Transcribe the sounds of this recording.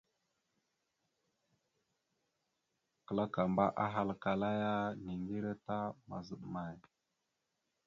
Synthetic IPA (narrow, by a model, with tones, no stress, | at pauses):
kə˨la˦ka˨mba˦ʔa˦ɦa˦lka˨la˦ja˦ni˨ŋɡi˦ɾa˦ta˦ma̰˨zə˨ɗma˨j